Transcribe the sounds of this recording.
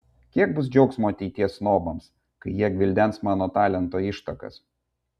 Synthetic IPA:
kʲiɛɡ̚bʊs̬d͡ʒʲɛʊksmoːɐt̪ʲɛɪt̪ʲiɛsnoːbɐms | kɐɪjiɛɡʲʋʲɪlʲd̪ʲɛnsmɑːnoːt̪ɑːlʲɛnt̪oːɪʃt̪ɐkɐ̰s

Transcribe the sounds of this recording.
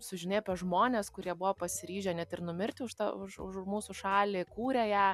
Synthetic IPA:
sʊʒʲɪneːpʲɛʒmoːnʲeːskʊɾʲiɛbʊʋopɐsʲɪɾʲiːʒʲɛnʲɛt̪ɪɾnʊmʲɪɾʲt̪ʲɪʊʃt̪ɐʊʃʊ̰ʃmuːsʊʃɑːlʲɪkuːɾʲejæː

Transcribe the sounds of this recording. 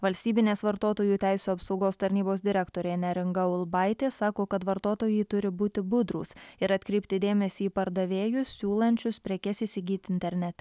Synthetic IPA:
ʋɐlʲsʲt̪ʲiːbʲɪnʲeːsʋɐɾt̪oːt̪oːjuːt̪ʲæɪsʲuːɐpsɒʊɡoːst̪ɐɾʲnʲiːboːsd̪ʲɪɾʲɛkt̪oːɾʲeːnʲɛɾʲɪŋɡɐʊlˠbɐɪt̪ʲeːsɑːkoːkɐt̪ʋɐɾt̪oːt̪oːjɛɪt̪ʊɾʲɪbuːt̪ʲɪbʊd̪ɾṵːsɪɾɐt̪ʲkɾʲɛɪpʲt̪ʲɪd̪ʲeːmʲɛsʲiːpɐɾd̪ɐʋʲeːjʊsːʲuːlˠɐnʲt͡ʃʲʊspʲɾʲɛkʲɛsisʲɪɡʲiːt̪ʲɪnʲt̪ʲɛɾʲnʲɛt̪ʲɛ

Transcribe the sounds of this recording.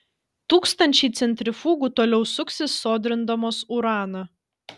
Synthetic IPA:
t̪uːkst̪ɐnʲt͡ʃʲɛɪt̪sʲɛnʲt̪ʲɾʲɪfuːɡuːt̪oːlʲɛʊsʊksʲɪsːoːd̪ʲɾʲɪnd̪ɐmoːsuɾɑːnɐ

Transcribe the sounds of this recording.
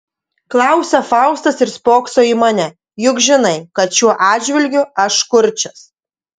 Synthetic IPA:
klˠɑˑʊsʲɛfɑˑʊst̪ɐsɪɾspoːkst̪oːimɑnʲɛ | jʊkʒʲɪnɐɪkɐt̪ʃʲuɔʔɑːd͡ʒʲʋʲɪlʲɡʲʊɐʃkʊɾʲt͡ʃʲɛs

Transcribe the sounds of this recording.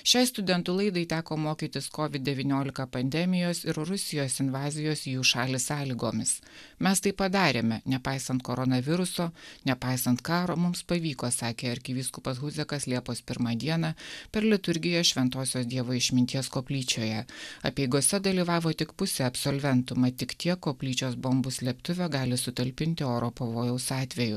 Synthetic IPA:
ʃʲɛɪst̪ʊd̪ʲɛnt̪ʊlˠɐɪd̪ɐɪt̪ʲæːkoːmoːkʲiːt̪ʲɪskɔːʋʲɪd̪̚d̪ʲɛʋʲiːnʲoːlʲɪkɐpɐnʲd̪ʲɛmʲɪjoːsɪɾɾʊsʲɪjoːsɪnʋɑːzʲɪjoːsijuːʃɑːlʲɪsɑːlʲiːɡoːmʲɪs | mʲɛst̪ɐɪpɐd̪ɑːɾʲeːmʲɛnʲɛpɑɪsɐnt̪koːɾɔnɐʋʲɪɾʊsoːnʲɛpɑɪsɐnt̪kɑːɾoːmʊmspɐʋʲiːkoːsɑːkʲeːɐɾʲkʲɪʋʲiːskʊpɐsɣʊzʲɛkɐslʲiɛpoːspʲɪɾmɑːd̪ʲiɛnɑpʲɛɾlʲɪt̪ʊɾʲɡʲɪjoːʃʲʋʲɛnt̪oːsʲoːsd̪ʲiɛʋoːɪʃʲmʲɪnʲt̪ʲiɛskoːpʲlʲiːt͡ʃʲoːjɛɐpʲɛɪɡoːsʲɛd̪ɐlʲiːʋɑːʋoːt̪ʲɪkpʊsʲeːɐpsolʲʋʲɛnt̪ʊmɐt̪ʲɪkt̪ʲiɛkːoːpʲlʲiːt͡ʃʲoːsboːmbʊsʲlʲɛpt̪ʊʋʲɛɡɑːlʲɪsʊt̪ʲɐlʲpʲɪnʲt̪ʲɪoːɾoːpɐʋoːjɛʊsɑːt̪ʲʋʲɛjʊ

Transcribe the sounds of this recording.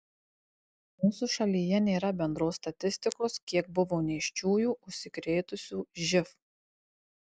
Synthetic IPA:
muːsuːʃɐlʲiːjɛnʲeːɾɐbʲɛnd̪ɾoːsːt̪ɐt̪ʲɪsʲt̪ʲɪkoːskʲiɛk̚bʊʋoːnʲɛɪʃʲt͡ʃʲuːjuːʊʃʲsʲɪkɾʲeːt̪ʊsʲuːʒʲɪf

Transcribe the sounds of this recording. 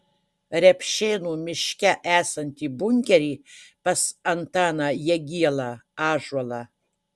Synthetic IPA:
rʲɛpʰʃeːnumɪʃkʲæʔæːsɐnʲt̪ʰibuŋʲkʲeɾipɐsɐnt̪aːnajɛɡʲijɛlaaːʒwɐlɐ

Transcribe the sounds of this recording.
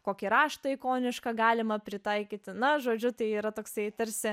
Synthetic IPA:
koːkʲiɾɑːʃt̪ɐɪkoːnʲɪʃkɐɡɑːlʲɪmɐpʲɾʲɪt̪ɑɪkʲiːt̪ʲɪnɐʒoːd͡ʒʲʊt̪ɐɪiːɾɐt̪oːksɐɪt̪ɐɾʲsʲɪ

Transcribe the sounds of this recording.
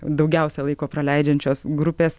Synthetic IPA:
d̪ɐʊɡʲɛʊsʲɛlˠɐɪkoːpɾɐlʲɛɪd͡ʒʲɛnʲt͡ʃʲoːsɡɾʊpʲeːs

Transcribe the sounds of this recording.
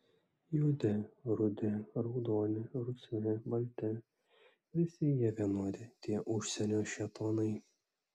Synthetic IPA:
jʊd̪ʲɪɾʊd̪ʲɪɾɔʊd̪oːnʲɪɾʊsʲɛnʲɪbɐlʲt̪ʲɛ | ʋʲɪsʲɪjiɛʋʲiɛnoɔd̪ʲɪt̪ʲiɛʔʊʃʲsʲɛnʲoːʃʲɛt̪ʰoːnɐɪ

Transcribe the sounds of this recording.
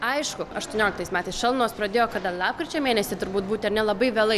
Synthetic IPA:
ɐɪʃkʊɐʃt̪uɔnʲoːlʲɪkt̪ɐɪsmʲæːt̪ɐɪsʃɐlˠnoːspɾɐd̪ʲeːjoːkɐd̪ɐlˠɑːp̚kɾʲɪt͡ʃʲɛːmʲeːnʲɛsʲɪt̪ʊɾbuːt̪̚buːt̪ʲɐɾnʲɛlˠɐbɐɪʋʲeːlˠɐɪ

